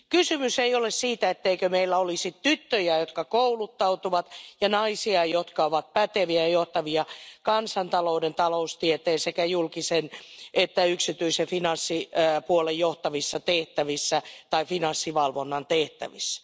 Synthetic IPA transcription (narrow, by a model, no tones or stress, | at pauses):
kysymyseiolessiːt̪æet̪ːeikømeilːæolisit̪t̪yt̪ːøjæjot̪kɑkoulut̪ːɑut̪uʋɑt̪jɑnɑisiɑjot̪kɑoʋɑt̪̚pæt̪eʋiæjjoht̪ɑʋiɑkɑnsɑnt̪ɑloudent̪ɑloust̪iet̪eːsekæjulkisenʔet̪ːæyksit̪yisefinɑnsːipuolejjoht̪ɑʋisːɑt̪eht̪æʋisːæt̪ɑifinɑnsːiʋɑlʋonːɑnt̪eht̪æʋisːæ̥